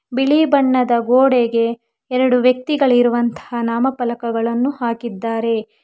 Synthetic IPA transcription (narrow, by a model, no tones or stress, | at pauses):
biɭibɐɳːɐd̪ɐɡoːɽeɡe̞ | ɛɾɐɽuʋjɐk̚t̪iɡɐɭiɾuʋɐnt̪ɐ̥hanaːmɐpɐlɐkɐɡɐɭɐnːuhaːkid̪ːaːɾe̞